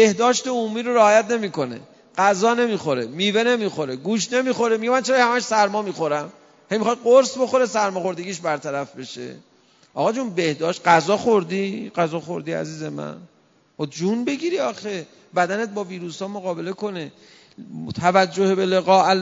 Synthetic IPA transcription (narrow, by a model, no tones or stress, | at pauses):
be̞hd̪ɒːʃt̪e̞omuːmiːɾo̞ɾeɒːjæt̪ne̞miːko̞ne̞̰ | ɢ̥æzɒːne̞miːxo̞ɾemiːve̞ne̞mixo̞ɾe̞ɡuːʃne̞miːxo̞ɾemiɡɟemænt͡ʃʰeɾhæmæʃsæɾmɒːmiːxo̞ɾæm | hejmixɑj̪ɢoɾsbo̞xo̞ɾesæɾmɒːχo̞ɾd̪e̞ɡiːʃbæɾt̪ʰæɾæfbe̞ʃḛ | ʔɒ̰ɣɒːd͡ʒunbe̞hd̪ɒːʃt̪̚ɢæzɒːxoɾd̪iːɢæzɒːxo̞ɾd̪iːæ̰ziːze̞mæ̰n | ɔd͡ʒunbe̞ɡiɾiɒːxe̞ | bæd̪æne̞t̪̚bɒːviːɾuːsɒːmoɣɒːbe̞le̞ko̞ne | t̪ʰævæd͡ʒːohebe̞le̞ɣɒːæl